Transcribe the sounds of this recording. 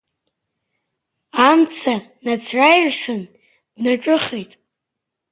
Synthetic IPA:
amt͡sʰanat͡sʰrajrʂɨn | dnaʈ͡ʂʼɨχejtʼ

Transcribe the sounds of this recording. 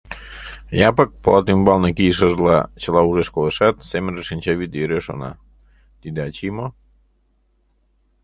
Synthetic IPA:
jɑpək̚plˠɑt̪ymbɑlnekijʃ̬əʒlɑ̰t͡ɕəlɑuʒeʃkoləʃɑt̪semənrəʃinʲt͡ɕɑβid̪əjəɾeʃo̰nɑ̰ | t̪id̪eɑt͡ɕimo

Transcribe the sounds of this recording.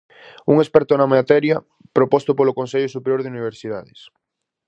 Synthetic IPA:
uŋespɛɾt̪onɐmaat̪ɛɾjɐ | pɾopɔst̪ʊpolokonseʎosupeɾjoɾðeuniβ̞eɾsiðaðɪs

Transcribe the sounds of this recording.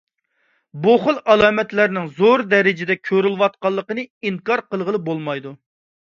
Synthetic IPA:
boχʊlˠɑlˠɑːmɛt̪læɾnɪŋzoɾd̪ɛɾɪd͡ʒɪd̪ɛkʲʰøɾylwɑt̪̚qɑlˠːəqənɨiŋkɑɾqəlˠʁəlˠɨbolˠmɑjd̪u

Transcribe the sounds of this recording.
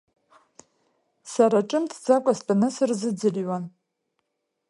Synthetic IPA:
saɾaʈ͡ʂʼɨmtʰd͡zakʷʼastʼanɨsɨrzɨd͡zɨlɥan

